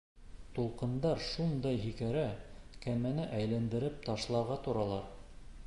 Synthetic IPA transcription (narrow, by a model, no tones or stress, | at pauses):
t̪ulˠqɤ̆nd̪ɑɾʃund̪ɑjɦikæɾækæmænɘʔæjlænd̪ɘ̆ɾɘp̚t̪ɑʃlˠɑɾʁɑt̪ŏɾɑlˠɑɾ